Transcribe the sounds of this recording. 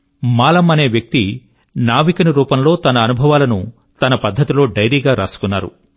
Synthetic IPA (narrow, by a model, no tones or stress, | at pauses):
maːlɐmɐne̞ːʋjɐk̚t̪i | naːʋikɐnɐɾuːpɐmlo̞ːt̪ɐnɐːnubʱɐʋaːlɐnu | t̪ɐnɐpɐd̪ʱːɐt̪ilo̞ːɖɐjɾiːɡaːɾaːsu̥kunːaːɾṵ